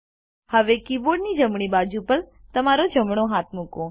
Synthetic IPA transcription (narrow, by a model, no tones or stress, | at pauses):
həʋekiboɽnid͡ʒəmɳ̃ibad͡ʒupəɾ | t̪əmaɾod͡ʒəmɳoɦat̪̚ʰmukõ